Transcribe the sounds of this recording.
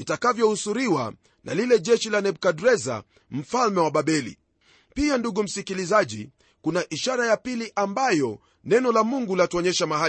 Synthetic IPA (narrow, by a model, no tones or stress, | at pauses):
itakavjɔhusuɾiwa̰ | nʔa̰lilɛʄɛʃilanɛɓ̚kadɾɛza̰ | m̩falmɛwaɓaɓɛlḭ | pianduɡum̩sikilizaʄḭ | kunaʔiʃaɾajapiliʔambajɔ | nɛnɔlamuŋɡulatuɔɲɛʃamaha